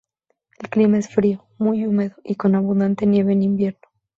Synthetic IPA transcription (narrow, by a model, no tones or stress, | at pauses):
e̞lklimae̞sfɾio | mujume̞ðoʔiko̞naβ̞ũnd̪ant̪e̞nje̞βe̞ːnimbje̞ɾno